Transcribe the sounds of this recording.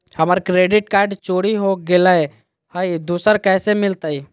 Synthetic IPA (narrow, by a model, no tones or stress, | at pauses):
həmaɾkɾeːɖɪʈ̚kaːɾɖt͡ʃoːɽiɦoɡelae | haid̪uːsəɾkɛːsemɪlt̪aiː